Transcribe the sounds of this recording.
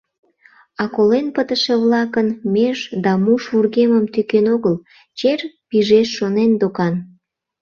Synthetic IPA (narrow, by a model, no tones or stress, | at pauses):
ɑkolenpət̪əʃeβlɑkənmeʒd̪ɑmuʃβurɣeməmt̪ykenoɣəl | t͡ɕerpiʒeʃːonend̪okɑn